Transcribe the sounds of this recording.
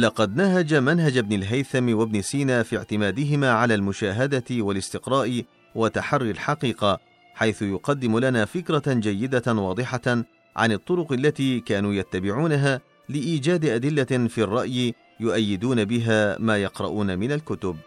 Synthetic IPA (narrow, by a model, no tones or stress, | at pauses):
lɑqɑd̪naɦad͡ʒamanɦad͡ʒabnɪlɦajθamwabnɪsiːnaːfiːʕt̪ɪmaːd̪ɪɦɪmaːʕalaːlmʊʃaːɦad̪aɪwalɪst̪ɪqɾˤɑːʔɪ | wat̪aħɑrˤːɪlħɑqiːqɑ | ħajθʊjʊqɑd̪ːɪmʊlanaːfɪkɾˤɑd͡ʒajːɪd̪awɑːd̪ˤɨħɑ | ʕa̰nɨt̪ˤːʊɾʊqalːat̪iːkaːnuːjat̪ːabɪʕuːnaɦaː | lɪʔiːd͡ʒaːd̪ʔad̪ɪlːafirˤːɑʔjɪ | jʊʔajːɪd̪uːnabɪɦaːmaːjɑqɾɑ̰ʔuːnamɪnalkʊt̪ʊb̚